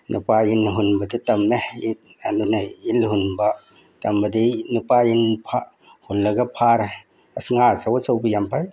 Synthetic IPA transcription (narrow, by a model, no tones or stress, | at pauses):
nupainɦunbɐditɐmnai | anunailhunbɐ | tɐmbɐdinupainpʰa | hulːɐɡɐpʰaɾa | ɐsŋasawsawbɐjampaj